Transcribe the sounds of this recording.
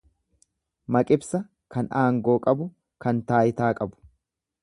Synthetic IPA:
mɐkʼɪbsɐ | kɐnaːŋɡo̞ːkʼɐbʊ | kɐnt̪aːjɪt̪aːkʼɐbʊ̥

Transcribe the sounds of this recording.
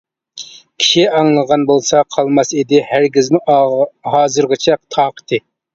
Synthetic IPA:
kʲʰi̥ʃiɑŋlˠəʁɑnbolˠsɑqʰɑlˠmɑsid̪ɪhæɾɡʲizmɪhɑːzɨɾʁɑt͡ʃʰɛqt̪ʰɑːqʰə̥t̪ʰɨ

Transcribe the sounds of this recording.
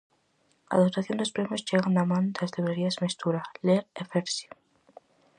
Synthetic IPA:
a̰ðop̚t̪aθjond̪opɾemjozʝeɣand̪amand̪elasleβeɾiasmest̪uɾaleɾefeɾsji̥

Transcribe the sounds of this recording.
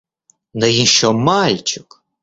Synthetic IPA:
nɐjinʃt͡ʃɔmalʲt͡ʃʊk

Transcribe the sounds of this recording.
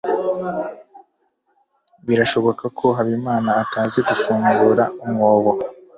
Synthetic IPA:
βiɾaʃo̞βo̞kakʰo̞ɦaβimaːnaːtaːziɡufuːŋɡuɾaumŋo̞ːβo

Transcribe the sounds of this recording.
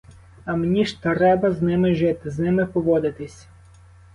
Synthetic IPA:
ɐmnʲiʃt̪ɾɛbɐznɪmɪʒɪt̪ɪznɪmɪpɔʋɔd̪ɪt̪ɪsʲ

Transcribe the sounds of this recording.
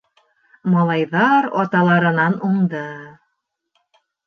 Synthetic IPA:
mɑlˠɑjðɑɾɑ̰t̪ɑlˠɑɾɤ̆nɑnuŋd̪ɤ

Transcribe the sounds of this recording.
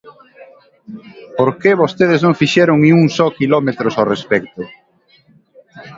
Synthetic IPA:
poɾkeβost̪eð̞ɪznõŋfiʃɛɾʊŋniuŋsɔkilɔmet̪ɾosawrespɛk̚t̪ʊ

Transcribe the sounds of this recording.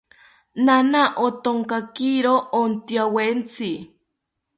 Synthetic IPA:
nanaʔot̪oŋkakiɾoʔont̪iawent͡si

